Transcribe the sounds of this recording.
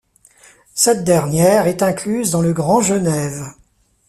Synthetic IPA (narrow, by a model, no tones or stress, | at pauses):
sɛt̪̚d̪ɛʁnjɛːʁɛt̪ɛ̃klyzd̪ɑ̃ləɡʁɑ̃ʒənɛv